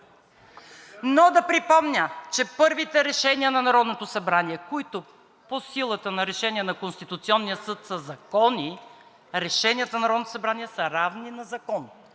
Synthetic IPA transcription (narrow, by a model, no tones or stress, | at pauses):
nod̪ɐpɾipɔmnʲət͡ʃɛpɤɾvit̪ɛɾɛʃɛniənɐnɐɾɔd̪not̪osɐbɾaniɛkoit̪o | posilˠət̪ənɐɾɛʃɛniɛnɐkonst̪it̪ut̪siɔnːijəsɤt̪sɐzɐkɔni | ɾɛʃɛnijət̪nnɐɾɔd̪not̪osɐbɾaniɛsəɾavninɐzɐkɔn